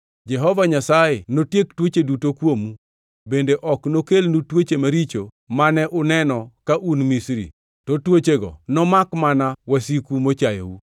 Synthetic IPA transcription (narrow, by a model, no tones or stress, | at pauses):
d͡ʒɛɦɔvaɲasajɪnotjektwot͡ʃedutokwomu | bendeʔɔknokelnutwot͡ʃemaɾit͡ʃo | manɛʔʊnɛnɔkaʔunmisɾḭ | tɔtwot͡ʃeɡɔ̰nɔmakmanawasikumot͡ʃajo̰wu